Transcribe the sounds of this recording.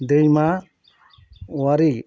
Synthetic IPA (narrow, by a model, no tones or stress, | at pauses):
dejma | waɾi